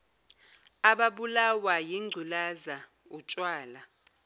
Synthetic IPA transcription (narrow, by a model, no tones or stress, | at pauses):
aɓaɓulawajiŋ͡ǀʱulaza | ut͡ʃʼwaːla